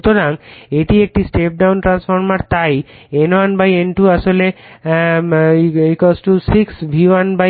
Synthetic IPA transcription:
t̪oɾaŋeʈiek̚ʈisʈep̚ɖawnʈɾansfoɾmaɾt̪ajenwanbajenʈuaʃole | ikɔsʈusiksbʱiwanba

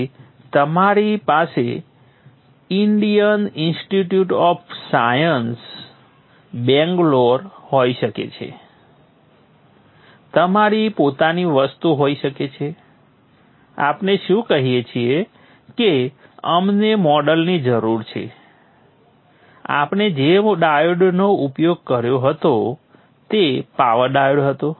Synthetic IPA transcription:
t̪əmaɾipase | ɪɳɖijənɪnsʈiʈjuʈɔfsajəns | bɛ̃ŋɡloɾɦoiʃəkḛt͡ʃʰḛ | t̪əmaɾipot̪aniʋəst̪uɦoiʃəket͡ʃʰe | a̰pneʃũkəɦijet͡ʃʰie | ke | əmnemɔɖəlnid͡ʒəɾuɾt͡ʃʰḛ | a̰pɳed͡ʒeɖajəɖnoupjoɡ̚kəɾjoɦət̪o | t̪epaʋəɾɖajəɖɦət̪o

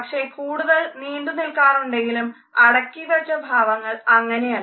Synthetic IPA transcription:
ɐkʂe̞kuːɽuðɐɭniːɳd̪unilkaːruɳɖe̞ŋɡilum | ɐɽɐkːiʋɐt͡ɕːɐbʱaːʋɐŋːɐɭɐŋːɐne̞jal

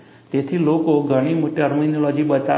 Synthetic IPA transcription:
t̪et̪ʰilokoɡʱəɽ̃imoʈiəɾminolɔd͡ʒiɓət͡ʃa

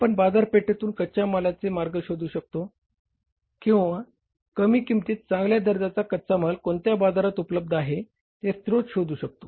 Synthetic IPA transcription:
pəɳbad͡zaɾpeʈet̪uːnkət͡ɕaməlat͡semaɾɡəɕod̪uːɕək̚t̪o | kĩw̃ʋa | kəmiːkimt̪iːt̪̚t͡sãŋɡljad̪əɾd͡z̪at͡sakət̪t͡saməlkoɳt̪jabad͡zaɾat̪upləb̚d̪aɦe | t̪est̪ɾot͡sɕod̪uːɕək̚t̪o̥

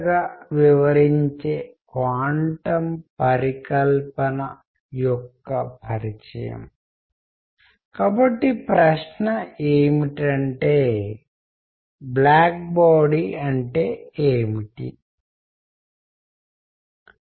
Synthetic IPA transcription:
ɡaːʋiʋɐɾiɲt͡ʃeːkʋaːɳʈɐmpɐɾikɐlpɐnɐ | jɔkːɐpʰɐɾit͡ʃɐ̰jɐ̰m | kaːbɐʈːipɾɐʂnɐeːmiʈɐɳʈeː | blaːk̚baːɽiɐɳʈe̞ːeːmiʈḭ

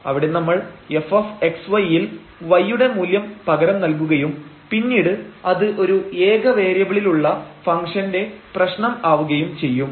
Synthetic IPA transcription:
ɐ̰ʋiɽe̞nɐmːɐɭe̞fɐfe̞ksʋɐjil | ʋɐjːuɽe̞muːljɐmpɐɣɐɾɐmnɐlk̬uɣɐjum | pinːiːɽɨɐðɨʔo̞ɾueːɡɐʋe̞ːɾjɐɣɐɭiluɭːɐfɐŋʂɐnde̞prɐɕɳɐmaːʋuɣɐjumt͡ɕe̞jːum

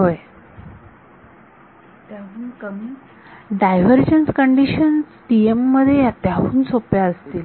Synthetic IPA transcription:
ɦoj | t̪jaɦuːnkəmi | ɖajʋəɾd͡ʑənskəɳɖiɕənsʈiemːəd̪ʱːjejat̪jaɦuːnsopjaəst̪iːl

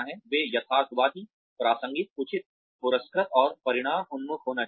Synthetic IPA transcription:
ɦɛ̃ʋeːjɐt̪ʰaːsbaːd̪ʱi | pɾaːsə̃ŋɡit̪̚ʊt͡ʃʰɪt̪̚ | pʊɾəskɾət̪ɔːɾpɐɾɪɽ̃aːmʊnmʊkʰɦoːna

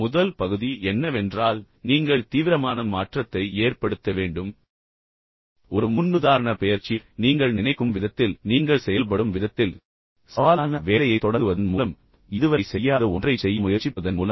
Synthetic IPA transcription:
mʊðɐlpɐɣɯðiʔɛnːɐʋɛndraːl | niːŋɡɐɭt̪iːʋɪɾɐmaːnɐmaːʈrɐt̪ːɐɪeːrpɐɽɯt̪ːɐʋeːɳɖɯm | ɔɾɯmʊnːɯðaːɾɐɳɐpɛjɐɾt͡ʃːiniːŋɡɐɭnɪnɐɪkːɯmʋɪðɐt̪ːɪlniːŋɡɐɭsɛjɐlp̬ɐɽɯmʋɪðɐt̪ːɪl | saːlːnɐʋeːlɐjɐɪt̪ːɔɽɐɯʋɐðɐnmuːlɐm | ɪðɯʋɐɪsɛjːaːðɐɔndrɐɪsɛjːɐmʊjɐɾt͡ʃːɪpːɐðɐnmuːlɐm

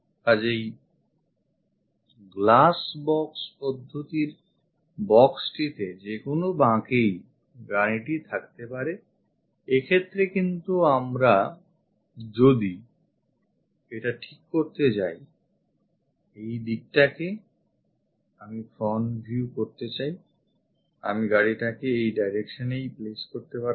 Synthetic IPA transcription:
ad͡ʑej | ɡlasbɔkspɔd̪ʱːot̪iɾ | bɔksʈit̪ed͡ʑekonobãkej | ɡaniʈit̪ʰakt̪epaɾe | ekʰet̪ːɾekint̪uamɾa | d͡ʑod̪i | eʈaʈʰikːoɾt̪et͡ɕaj | ejd̪ik̚ʈake | amifʰonbʱjukoɾt̪et͡ɕaj | a̰miɡaɽiʈakeejɖajɾekʃonejpleskoɾt̪epaɾ

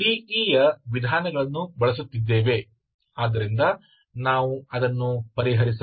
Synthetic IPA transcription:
iːiːjɐʋid̪ʱaːnɐɡɐɭɐnːubɐɭɐs̬ut̪ːid̪ːe̞ːʋe̞ | aːd̪ːɐɾind̪ɐ | naːʋuɐd̪ɐnːupɐɾiɦɐɾisɐ

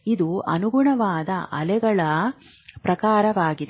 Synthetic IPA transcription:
id̪uɐnuɡuɳɐʋaːd̪ɐʔɐlɛɡɐɭɐ | pɾɐkaːɾɐʋaːɡid̪e

